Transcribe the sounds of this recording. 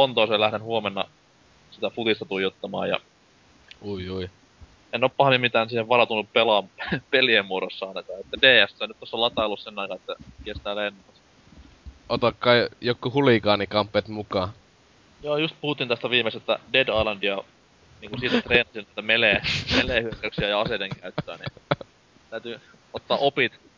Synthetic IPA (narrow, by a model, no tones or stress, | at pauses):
pont̪oˑiseːlæhɾenhuomenːɑ̰ | sit̪æfut̪ist̪ɑt̪ujot̪ːɑmɑ̰ːjɑ̰ | ujui | enːoːppɑhɑnimmit̪æːnsiːheʋʋɑɾɑt̪unːuppelɑmpeliæmːuoɾosːɑɑˑinɑkɑːet̪ːædeːæsːænyt̪t̪osːɑlɑt̪ɑolːussenːɑˑikɑet̪ːækest̪æːlenːɑs | ot̪okːɑijokːuhulikɑːnikɑmpːˑeːt̪mukɑ | joːjust̪̚puhut̪ːint̪æst̪æʋiːmest̪et̪ːæ̰dedɑilɑndiɑ | niːŋkusiːt̪æt̪reːnɑsinæˑit̪æmelemelehyøkːæyksiæjɑɑsedeŋkæyt̪ːøænḭ | t̪æyt̪y | ot̪ːɑːʔopit̪